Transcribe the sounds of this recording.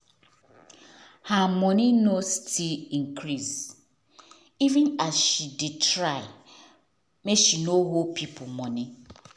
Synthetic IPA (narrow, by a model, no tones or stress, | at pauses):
hamɔninostiliŋ̩kɾiz | ivɪnazʃidɪtɾaɪ | meʃinoɦopipʰʊmɔni